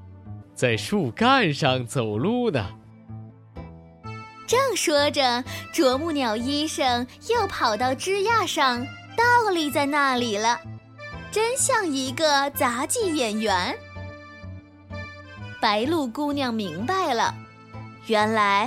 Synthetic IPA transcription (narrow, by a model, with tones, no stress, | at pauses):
t͡sa˥˧ɪʂu˥˧˩ka˥˧nʂɑ˥˧ŋt͡so˨˩ʊlu˥˩nə̰˨˩ | ʈ͡ʂɤ˥˩ŋʂwɔ˥ʈ͡ʂə˨ʈ͡ʂwɔ˧˥mu˥˩njɑ˨˩ʊi˥ʂɤ˥˩ŋ | jo˥˩ʊpʰɑ˨˩ʊt̪ɑ˥˩ʊʈ͡ʂɻ̩˥ja˥˧ʂɑ˥˧ŋt̪ɑ˥˩ʊli˥˧t͡sa˥˧ɪna˥˩li˨˩lə˦ | ʈ͡ʂə˥nɕjɑ˥˩ŋi˧˥ɡə˧t͡sa˧˥t͡ɕi˥˩jɛ˨˩nɥɛ˧˥n | pa˧˥ɪlu˥˩kʊ˥ŋljɑ˥˩ŋmi˧˥ŋpa˥˩ɪlə̰˩ | jɥɛ˧˥nla˧˥ɪ